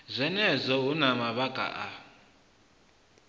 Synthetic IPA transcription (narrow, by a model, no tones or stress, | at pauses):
zʷɛnɛzʷɔunamaβaɡʼa̰ʔa